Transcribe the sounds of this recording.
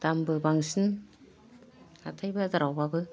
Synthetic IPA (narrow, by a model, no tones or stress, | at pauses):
d̥ambɯbaŋsin | atʰajbazaɾawbabɯ